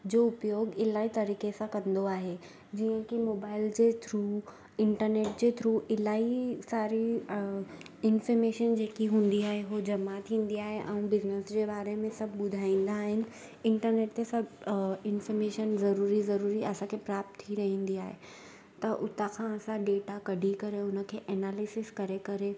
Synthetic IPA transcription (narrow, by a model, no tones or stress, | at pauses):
d͡ʑoːʊpjoːɡɪlaːɦit̪ɐɾiːkesãkɐ̃nd̪oaːɦe | d͡ʑiːə̃kimoːbaːɪld͡ʑeːt̪ʰɾuː | ɪ̃ɳʈəɾneːʈ̚d͡ʑeːt̪ʰɾuːɪlaːɦisaːɾi | ɪnfɔɾmeːʃənd͡ʑeːkiɦũːn̆d̪iaːɦeɦod͡ʑɐmat̪ʰĩːnd̪iaːɦeʔɛ̃ũbɪznəsd͡ʑeːbaːɾemẽsɐbʱɓʊd̪ʱaːĩːn̆d̪aːɦɪnɪ̆ | ɪ̃ɳʈəɾneːʈ̚t̪esɐbɪnfəɾmeːʃənzɐɾuːɾizɐɾuːɾiʔɐsãkʰepɾaːp̚t̪ʰːiɾɐɦĩːn̆d̪iaːɦe | t̪ɐʔʊt̪akʰãɐsãɖeːʈakɐɖʱikɐɾeʊnə̆kʰeːʔɛnaːlɪsɪskɐɾekɐɾe